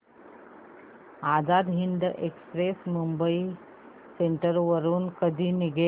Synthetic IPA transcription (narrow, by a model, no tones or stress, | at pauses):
ad͡zad̪ɦiɳɖʔekspɾesmumbəi | seɳʈəɾʋəɾuːnkəd̪ʱiːniɡe